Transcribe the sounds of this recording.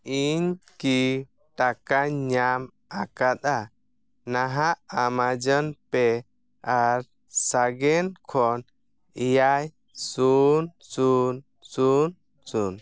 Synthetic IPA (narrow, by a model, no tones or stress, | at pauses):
iɲki | ʈakaɲam | akat̪̚a | naɦaʔamad͡ʒənpɛ | aɾ | saɡɛnkʰɔn | ijaj | sunsun | sun | sun